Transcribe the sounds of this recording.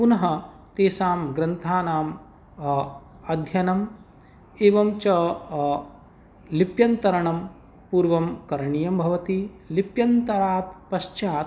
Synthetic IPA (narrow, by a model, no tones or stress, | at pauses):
punɐɦɐ | t̪eːsaːmɡɾɐnt̪ʰaːnaːm | ɐd̪ʱjɐnɐm | eːʋɐmt͡ʃɐ | lipjɐnt̪ɐɾɐɳɐm | puːɾʋɐmkɐɾɐɳijɐmbʱɐʋɐt̪ilipjɐnt̪ɐɾaːt̪̚pɐʃt͡ʃaːt̪